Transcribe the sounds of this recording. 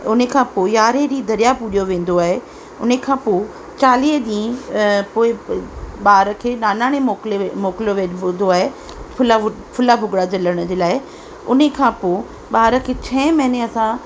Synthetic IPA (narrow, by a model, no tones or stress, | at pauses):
ʊnəkʰãːpoːɪjaːɾed͡ʑid̪ɐɾijapʊɗijoʋẽːn̆d̪oaːɦe | ʊnəkʰãːpoː | t͡ɕaːliːɦɗĩːpoːɪɓaːɾəkʰeːnaːnaːɽ̃emoːklmoːkɪloʋẽːnd̪oaːɦe | pʰʊla | pʰʊlabʱʊɡɽad͡ʑɐləɽ̃ʊ̆d͡ʑeːlaːɪ | ʊnəkʰãːpoː | ɓaːɾə̆kʰeːt͡ɕʰɛ̃ːmɐɦɪneɐsã